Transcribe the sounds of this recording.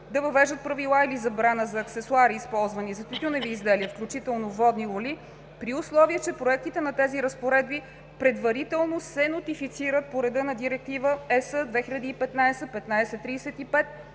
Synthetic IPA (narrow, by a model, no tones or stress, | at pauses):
d̪ɐvəvɛʒət̪̚pɾɐvilˠailizɐbɾanəzɐːksɛsuaɾiːspɔlˠzvənizɐt̪it̪unɛviːzd̪ɛliəfklʲut͡ʃit̪ɛlˠnovɔd̪nilˠoli | pɾiʊslˠɔviət͡ʃɛpɾoɛk̚t̪it̪ɛnɐt̪ɛziɾəspoɾɛd̪̚bi | pɾɛd̪vɐɾit̪ɛlˠnosɛnot̪ifit̪siɾət̪̚poɾɛd̪ɤnɐd̪iɾɛk̚t̪ivəɛsəd̪vɛxilʎʲɐd̪iːpɛt̪najsɛpɛt̪najsɛt̪ːɾijsɛt̪ipɛt̪